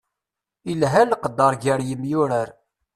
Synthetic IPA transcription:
ilɦælqəd̪ːɑɾˤɡəɾjəmjʊɾəɾ

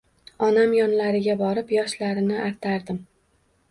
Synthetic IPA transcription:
ɒnamjɒnlaɾɪɡʲabɒɾɪpjɒʃlaɾɪnɪʔaɾt̪ʰaɾd̪ɪm

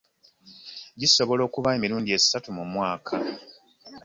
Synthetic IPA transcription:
ɟiso̞βo̞lo̞ːkuβae̞miɾuːndie̞zi̥satumumwaːkʰa

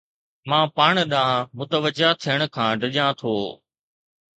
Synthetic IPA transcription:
mãːpaːɳ̃ɗãːmʊt̪əʋəd͡ʒat̪ʰijəɽ̃ʊkʰãːɖəʄãːt̪ʰoː

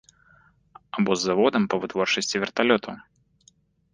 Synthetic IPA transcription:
ɐbɔzːɐvod̪əmpəvɨt̪vorʂɨsʲtʲɪvʲɪrt̪ɐlʲot̪ʰʊ

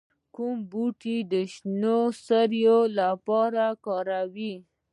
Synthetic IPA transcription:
kumbuʈid̪əʃnosəɾjolapɑɾakɑɾawi

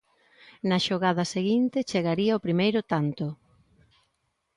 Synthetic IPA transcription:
nɐʃoɣað̞ɐseɣint̪ɪt͡ʃeɣaɾiɐopɾimejɾʊt̪ant̪ʊ

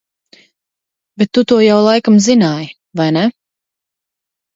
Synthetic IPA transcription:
bɛt̪ːut̪uɔjawlˠajkamzinaːj | vajnɛ

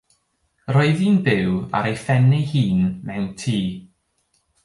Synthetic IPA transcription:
rɔːɨðiːnbɪwa̰ɾejfɛnɪhiːnmɛwntʰiː

